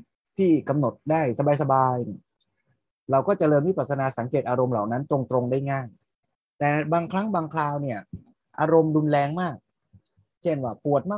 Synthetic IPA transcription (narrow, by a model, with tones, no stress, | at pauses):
t̪ʰiː˥˩ka˧mno˨˩t̪̚daː˥˩jsa˧baː˧jsa˧baː˧j | ɾa˧wkɔː˥˩t͡ɕa˨˩ɾɤː˧miː˦˥˩pa˨˩t̪̚sʰa˧naː˧sa˩˦ŋkeː˨˩t̪̚ʔaː˧ɾo˧mlaː˨˩wna˦˥nt̪ɾo˧ŋt̪ɾo˧ŋdaː˥˩jŋaː˥˩ŋ | t̪ɛː˨˩baː˧ŋkʰɾa˦˥ŋbaː˧ŋkʰlaː˧wni˥˩ɐ | ʔaː˧ɾo˧mdu˧nlɛː˧ŋmaː˥˩k̚ | t͡ɕʰe˥˩nwaː˥˩pu˨˩ət̪̚maː˥˩